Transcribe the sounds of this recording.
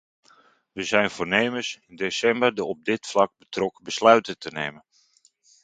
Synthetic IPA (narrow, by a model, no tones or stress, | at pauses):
ʋəzɛjnv̥ʊːrneːməsɪndeːsɛmbərdəɔb̚dɪtflɑɡ̚bətrɔkbəslœɥtətənḛːmən